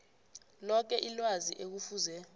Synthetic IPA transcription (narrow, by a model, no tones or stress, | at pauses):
lɔk̬ɛʔilwaziʔek̬ufuzɛ